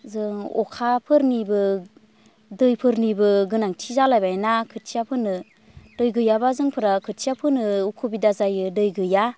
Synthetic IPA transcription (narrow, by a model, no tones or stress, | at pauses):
zɯŋɔkʰapʰɯɾnibɯ | dɯjpʰɯɾnibɯɡɯnaŋtʰizalajbanakʰɯt̚sʰijapʰɯnɯ | d̥ɯjɡɯjabazɯŋpʰɯɾakʰɯt̚sijapʰɯnɯukʰubidazajɯdɯjɡɯja